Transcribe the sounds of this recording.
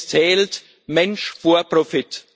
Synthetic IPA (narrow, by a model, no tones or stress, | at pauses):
t͡sɛːlt | mɛnʃfoːɐpʁofɪt